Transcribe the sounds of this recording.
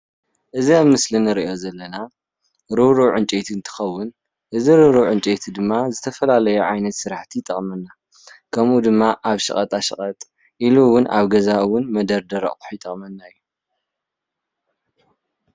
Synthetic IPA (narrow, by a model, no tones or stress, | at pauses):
ʔɨziaβmɨslinɨɾiʔo̞zɐlːɐna | ɾɨβɾuʕɨnt͡ʃʼet̪ʰiɨnt̪ʰɨ̥xɐwːʊn | ʔɨziɾɨɾuʕɨnt͡ʃʼet̪ʰid̪ɨmːazɨt̪ʰɐfɐlalɐjuʕajnɐt̪sɨɾaħt̪ʰit̪ʼɐχʼmɐnːa | kʰɐmʔud̪ɨmːaʔaβʃɨ̰χʼɐt̪ʼaʃɨχʼɐt̪ʼ | ʔiluwʊnʔaβɡɐzawʊnmɐd̪ɐɾd̪ɐɾɐ̰ʔʼħit̪ʼɐχʼmɐnːaɨjːu